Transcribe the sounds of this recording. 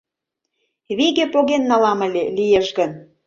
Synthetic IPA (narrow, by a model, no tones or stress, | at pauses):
βiɣepoɣenːɑlɑmə̆lʲelijeʃɣən